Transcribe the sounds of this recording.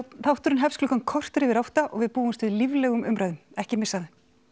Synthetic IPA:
θawht̪ʏɾʏnɦɛfsklʏːkankʰɔr̥t̪ɾɪvɪɾawht̪aʔɔɣvɪðpuːɪnst̪ɪðlivlɛːɣʏmʏmɾajðʏmɛhcɪmɪsaðɪ

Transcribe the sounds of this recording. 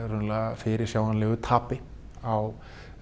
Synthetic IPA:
ɾʏnlafɪɾɪɾ̥sjaːwanlɛːɣʏt̪ʰaːpɪ | aw

